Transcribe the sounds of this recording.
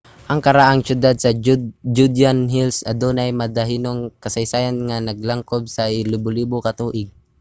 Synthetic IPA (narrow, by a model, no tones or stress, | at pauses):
ʔɐŋkɐɾaʔaŋʃʊd̪ad̪̚sɐd͡ʒud̪anɦilsɐd̪onajmɐd̪aɦiːnoŋkɐsɐjsaːjanŋanɐɡ̚laŋkob̚saɪlɪbʊliːbʊkɐt̪uːʔɪɡ̚